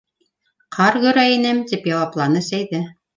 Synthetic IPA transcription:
qʰɑɾɡɵ̆ɾæinɘmt̪ipjɑwɑplˠɑnɤsæjðɘ

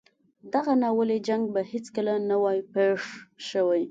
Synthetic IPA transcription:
d̪aɣanawəled͡ʒaŋɡ̚bahɪt͡skəlanawajpeʂʃəwaj

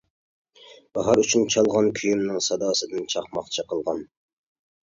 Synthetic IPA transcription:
b̥ɑɦɑɾyt͡ʃʰynt͡ʃʰɑlˠʁɑnkʲʰyjymnɪŋsɑd̪ɑːsɨd̪ɪnt͡ʃʰɑχmɑχt͡ʃʰɪqʰəlˠʁɑn

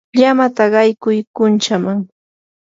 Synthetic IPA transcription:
ʎamat̪aɢɑjkʊjkʊnt͡ʃamaŋ

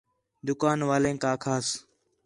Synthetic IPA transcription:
d̪ʊkaːnʋaːlẽːkaːkʰaːs

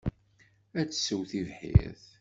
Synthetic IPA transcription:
æt͡sːsəwθivħḭɾθ

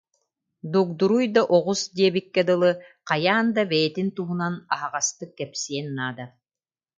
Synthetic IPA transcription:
d̪uːk̚d̪uɾujd̪aʔɔʁusd̪iɛbikːɛd̪ɯlˠɯqajaːnd̪abɛjɛt̪int̪uɦunanaɦaʁast̪ɯkːɛpsiɛnːaːd̪a

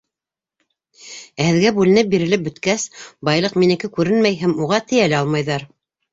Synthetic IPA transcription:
æhɘ̆ðɡæbʉlɘ̆nɘp̚biɾɘ̆lɘp̚bɵ̆t̪kæsbɑjlˠɤqminɘ̆kɘkʉɾɘnmæjɦæmuʁɑt̪ɘ̆jælæɑlˠmɑjðɑɾ

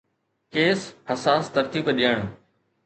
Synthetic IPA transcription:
keːshɐsaːst̪ɐɾt̪iːbɗijəɽ̃

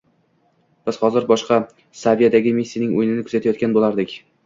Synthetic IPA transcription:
b̥ɪz̥hɒzɪɾbɒʃqɑ | savijad̪aɡʲɪmisːijnɪŋojɪnɪnɪkʰʊzat̪ʰajɒt̪̚kʲanbolˠaɾd̪ɪkʲ

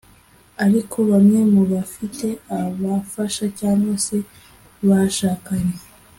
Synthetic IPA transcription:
aɾikʰo̞βamɲe̞muβafite̞aβafaʃacaːŋɡwase̞ | βaʃaːkaɲe

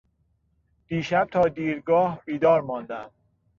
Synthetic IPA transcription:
d̪̥iːʃæb̚t̪ʰɒːd̪iːɾɡɒːhbiːd̪ɒːɾmɒːnd̪æm

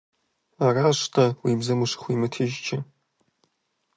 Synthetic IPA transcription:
araʂʷtʰawibzɐmuʂɨ̥χʷiːmɨtʰiʒt͡ʃʰɪ

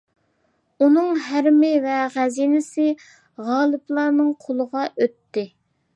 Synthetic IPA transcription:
unɨŋɦæɾmɪvɛʁæzinɪsɪ | ʁɑːlˠɨplˠɑɾnɨŋqʰolˠəʁɑʔøt̪ːɪ

